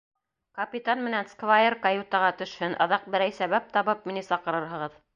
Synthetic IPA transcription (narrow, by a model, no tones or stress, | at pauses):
kɐpʲit̪anmɘ̆nænskvajerkajut̪ɑʁɑt̪ɵ̆ʃhɘnʔɑ̰̆ðɑq̚bɘ̆ɾæjsæβæp̚t̪ɑβɤp̚minɘsɑqɤ̆ɾɤɾɦɤ̆ʁɤð